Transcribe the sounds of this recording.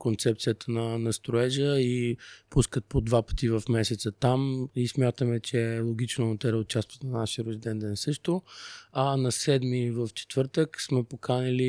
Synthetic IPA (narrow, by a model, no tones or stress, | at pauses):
kont̪sɛp̚t̪sijət̪ənɐnɐst̪ɾoɛʒəipuskət̪̚pod̪vapə̥t̪ivɐfmɛsɛt̪sət̪amismʲjat̪əmɛt͡ʃɛlˠoɡ̟it͡ʃnot̪ɛɾɛʊt͡ʃast̪vət̪nɐnaʃəɾozd̪ɛnd̪ɛnsɤʃt̪oɐnɐsɛd̪mivəft͡ʃɛ̥t̪v̥ɤɾt̪əksmɛpokʰanili